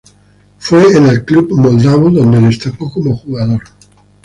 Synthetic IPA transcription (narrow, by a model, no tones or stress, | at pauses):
fweenelklubmold̪aβoðond̪eðest̪epokomoxuɣaðoɾ